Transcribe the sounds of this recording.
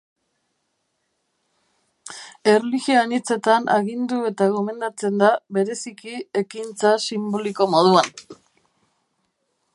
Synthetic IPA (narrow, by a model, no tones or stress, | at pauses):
e̞reliɣioanit͡se̞t̪anʔaɣind̪ue̞t̪aɣ̞o̞me̞nd̪at͡se̞nd̪aβe̞ɾe̞sikie̞kint͡sasimbo̞liko̞mo̞ðuan